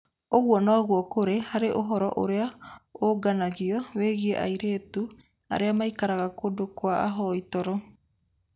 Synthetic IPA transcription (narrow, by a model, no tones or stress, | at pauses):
oɣwɔnɔːɣwɔkoɾehaɾeʔoɦɔɾɔʔo̰ɾeaoɡanaɣiɔweɣiɛʔa̰iɾeːtu | a̰ɾeamaikaɾaɣakodokwaa̰ɦɔitɔɾɔ